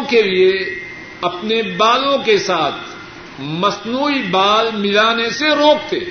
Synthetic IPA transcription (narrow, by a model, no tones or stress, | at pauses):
kelie | ɐpnebaːlõkesaːt̪ʰ | mɐsnuːibaːlmɪlaːneseɾoːk̚t̪eː